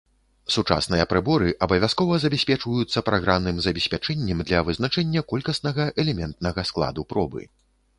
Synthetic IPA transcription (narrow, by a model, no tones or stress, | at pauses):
sut͡ʂa̰snɨjɐpɾɨbɔɾɨʔɐbɐvʲaskɔvɐzɐbʲɛsʲpʲɛt͡ʂvɐjut̪sːɐpɾaɣɾamnɨmzɐbʲɛsʲpʲat͡ʂɛnʲːɛmd̪lʲɐvɨznat͡ʂɛnʲːɐkɔlʲkɐsnɐɣɐʔɛlʲɛmʲɛnt̪̚nɐɣɐsklˠa̰d̪upɾɔbɨ̰